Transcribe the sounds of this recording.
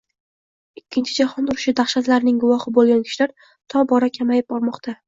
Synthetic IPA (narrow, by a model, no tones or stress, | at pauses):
ɪkʲʰːɪnt͡ʃʰɪd͡ʒaχɒnʊɾɪʃɪd̪aχʃat̪laɾnɪŋɡʊvɒhɪbolˠɡʲankʲʰɪ̥ʃlaɾ | t̪ʰɒbɒɾakʲʰamajɪp̚bɒɾmɒqt̪ʰa